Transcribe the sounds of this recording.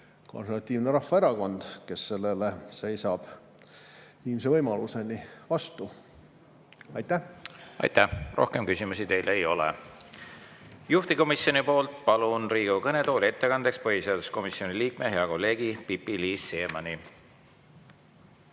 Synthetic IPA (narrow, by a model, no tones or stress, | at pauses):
ko̞̰nseɾvɑt̪ʲˑːiːvneɾɑfːɑeɾɑko̞nd̪̥ke̞sːe̞lːe̞lese̞jsɑb̥ | iːms̬evɤjmɑluse̞nivɑst̪u | ɑjt̪ːæɑ̰jt̪ærʔo̞̰hkemkysimusit̪e̞jlejo̞lɛ̰ | juht̪iko̞misjo̞nipo̞ːlt̪ˑpɑlunriːɡ̥ukɤne̞t̪o̞ːlʲie̞t̪ːekɑnd̪ekspɤɦise̞ɑd̪̥usko̞misio̞niliːk̚me̞ɦe̞ɑko̞lːe̞ːɡ̥ipipːiliːsːe̞ːmɑni